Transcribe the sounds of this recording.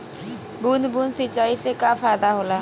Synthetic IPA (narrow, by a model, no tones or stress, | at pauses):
buːnd̪buːnsɪt͡ʃaːiseːkaːfʰaːjd̪aːɦoːlaː